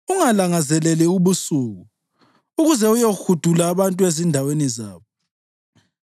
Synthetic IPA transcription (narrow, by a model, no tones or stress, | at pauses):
uŋalaŋazɛlɛlɛuβusuːɣuː | ɣuzɛujoxud̥ʱulaːβantʼuezindʱaweniza̰ːβɔ